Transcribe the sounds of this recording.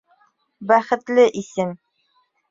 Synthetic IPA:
bæχɘ̆t̪lɘʔisɘm

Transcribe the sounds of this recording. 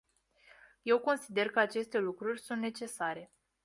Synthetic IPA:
je̞wko̞nsid̪e̞rkəat͡ʃe̞st̪e̞lukɾurʲsunt̪ne̞t͡ʃe̞saɾe̞

